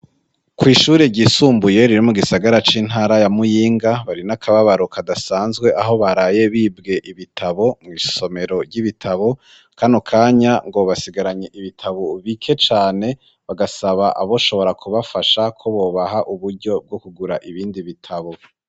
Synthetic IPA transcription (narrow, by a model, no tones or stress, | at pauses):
kwiːʃuːɾeɾɟisuːmbuje̞ɾiɾomuɡisaɡaɾat͡ʃiːn̥ɦaːɾajamujiːŋɡaβaɾinakʰaβaβaɾokadasaːnzɡwe̞ʔaɦo̞βaɾaːje̞βiːbɡe̞ʔiβitʰaβo̞mŋiso̞me̞ɾo̞ɾɟiβitʰaβo̞ | kʰanokʰaːɲaŋɡoβasiɡaɾaɲeʔiβitʰaβoβikʰe̞t͡ʃaːne̞ | βaɡasaβaʔa̰βo̞ʃo̞βo̞ɾakuβafaʃakʰo̞βo̞ːβaɦaʔuβuɾɟo̞b̚ɡo̞kuɡuɾaʔiβiːndiβitʰaβo̞